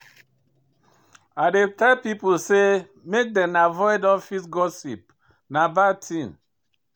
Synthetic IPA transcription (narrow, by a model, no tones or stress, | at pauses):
adetapipulse | mek̚dɛ̃navɔɪdɔfisɡɔsip | nabatʰĩn